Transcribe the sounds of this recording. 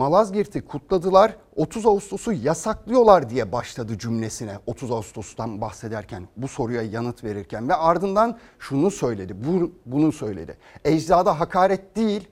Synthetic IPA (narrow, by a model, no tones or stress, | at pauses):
malˠazɟiɾt̪ʰikʰut̪ʰlˠad̪ɯlˠaɾ | o̞t̪ʰuzaust̪ʰosujasaklˠɯjo̞lˠaɾd̪ijɛbaʃlˠad̪ɯd͡ʒymlʲe̞sinɛo̞t̪ʰuzaust̪ʰosud̪anbaxse̞d̪æɾcʰænbuso̞ɾujajanɯt̪ve̞ɾiɾcʰænvɛaɾd̪ɯnd̪anʃunusø̞jlʲe̞d̪ɪbbunusø̞jlʲḛd̪ɪ̰ | ɛd͡ʒzaːd̪aɦakʰaːɾɛt̪̚d̪̥ijilʲ